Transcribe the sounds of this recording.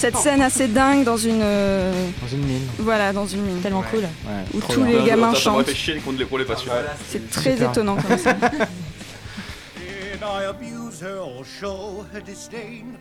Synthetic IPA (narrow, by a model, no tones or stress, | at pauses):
sɛt̪sɛnased̪ɛ̃ɡd̪ɑ̃zynø̃ | zynminvwalad̪ɑ̃zynmint̪ɛlmɑ̃kʰul | ɛut̪ʰuleɡamɛ̃ʃɑ̃fɛʃɛnkɔ̃nəlepʁɔ̃lepasjɔɛsɛt̪χɛzet̪ɔnɑ̃kɔsaa | naɪəbjuz̥hə˞lʃoʊədɪstẽɪ̃n